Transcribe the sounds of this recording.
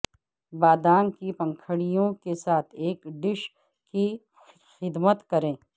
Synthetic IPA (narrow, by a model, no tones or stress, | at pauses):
baːd̪aːnkipɐ̃ŋkʰəɽijõkesaːt̪ʰeːkɖɪʃ | ki | xɪd̪mət̪kɐɾẽː